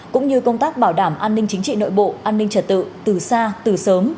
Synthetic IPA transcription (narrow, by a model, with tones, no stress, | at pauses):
kʊ̰˧˥ŋ͡mɲɨ˧kə˧wŋ͡mt̪aː˦˥k̚ɓaː˧˩wɗaː˧˩mʔaː˧nːï˧ŋ̟t͡ɕï˨˦ŋ̟t͡ɕḭ˧˨no̰˧˨jɓo̰˧˨ʔaː˧nːï˧ŋ̟t͡ɕə˨˩t̚t̪ɨ̰˧˨t̪ɨ˨˩saː˧t̪ɨ˨˩səː˨˦m